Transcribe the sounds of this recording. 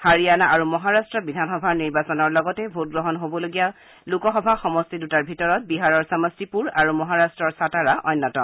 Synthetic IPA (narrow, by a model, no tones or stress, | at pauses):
haɹijanaʔaɹumɔɦaɹastɹɔbidʱanxɔbʱaɹniɹbasɔnɔɹlɔɡɔtɛbʱut̚ɡɹɔɦɔnɦobɔloɡija | lukɔxɔbʱaxɔmɔstidutaɹbʱitɔɹɔt̚biɦaɹɔɹsamɔstipuɹaɹumɔɦaɹastɹɔɹsataɹaʔɔjnːɔtɔ